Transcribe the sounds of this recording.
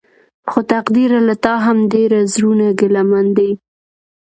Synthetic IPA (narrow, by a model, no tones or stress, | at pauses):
xot̪aqd̪iɾalat̪ɑɦamd̪eɾazɾunaɡɪlamand̪a